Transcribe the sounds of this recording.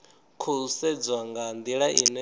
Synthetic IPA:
kʰuusɛd͡zwaŋɡand̪iɺaʔinɛ

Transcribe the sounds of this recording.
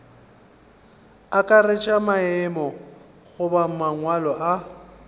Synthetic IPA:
akʼaret͡ʃʼamaɛmɔ | ɣʊbam̩maŋwalɔʔa

